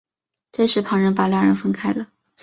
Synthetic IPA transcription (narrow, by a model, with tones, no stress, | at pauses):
ʈ͡ʂe˥˧ɪʂɻ̩˧˥pʰɑ˧˥ŋɻə˧˥npa˨˩lja˥˩ɻə˧˥nfə˥nkʰa˥˩ɪlə˩